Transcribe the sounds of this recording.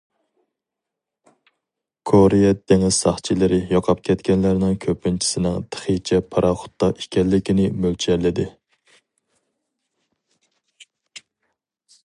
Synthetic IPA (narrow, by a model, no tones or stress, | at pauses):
kʰoɾejɛd̪eŋɪz̥sɑχt͡ʃʰilɪɾɪjɑqʰɑp̚kʲʰɛt̪kʲɛnlæɾnɪŋkʲʰøpːɪnt͡ʃʰi̥sɪnɪŋt̪ʰə̥χit͡ʃʰɛpʰɑɾɑχʊ̥t̪ːɑʔikʲʰɛlːɪkʲinɪmølt͡ʃʰɛlɪd̪ɪ